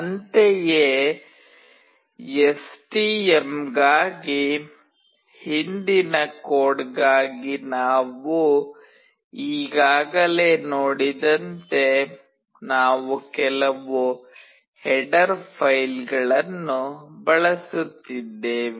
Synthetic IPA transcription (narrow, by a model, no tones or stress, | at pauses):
ɐnt̪ejeː | esʈiːemɡaːɡi | hind̪inɐkoːɖɡaːɡinaːʋu | iːɡaːɡɐle̞ːnoːɽid̪ɐnt̪e̞ | naːʋukɛlɐʋu | hɛɖɐɾpʰɐjlɡɐɭɐnːubɐɭɐsut̪ːid̪ːeːʋi